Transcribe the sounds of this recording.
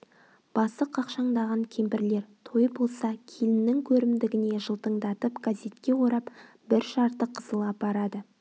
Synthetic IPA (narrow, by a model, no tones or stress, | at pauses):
b̥ɑsəqʰɑqʃɑɴd̪ɑʁɑŋkʲʰe̞mpɪɾle̞ɾt̪ʰo̞jəbo̞lˠsɑkʲʰelɪnɪŋkʲʰɵɾɪmd̪ɪɡʲɪne̞ʒəlˠt̪əɴd̪ɑt̪əpɡ̥azʲe̞t̪kʲe̞wo̞ɾɑp | b̥ɪɾʃɑɾt̪əqʰːəzəlˠɑp̚bɑɾɑd̪ə